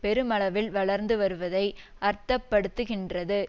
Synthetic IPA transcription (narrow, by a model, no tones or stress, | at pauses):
pɛɾɯmɐɭɐʋɪlʋɐɭɐɾnd̪ɯʋɐɾɯʋɐðɐɪ | ʔɐɾt̪ːɐpːɐɽɯt̪ːɯɣɪndrɐðɯ